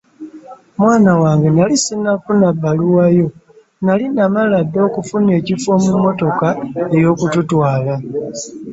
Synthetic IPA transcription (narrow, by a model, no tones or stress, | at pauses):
mwaːnawaːŋɡenalisinakunabːaluwajo̞ | nalinamaladːo̞ːkufune̞ːcifo̞mumːo̞to̞kaejo̞ːkututwaːla